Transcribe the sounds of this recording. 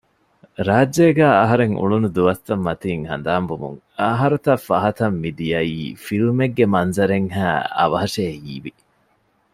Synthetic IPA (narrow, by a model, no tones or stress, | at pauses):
ɾaːdd͡ʒeːɡæːɐɦɐɾeŋṵɭunud̪uʋɐst̪ːɐmːɐt̪iːŋhɐ̰nd̪aːmbumṵŋ | ɐɦɐɾut̪ɐfːɐɦɐt̪ɐmːid̪ijɐiːfiɾumeɡːemɐnzɐɾeŋɦæːɐ̰ʋɐɦɐʂeːhḭːʋi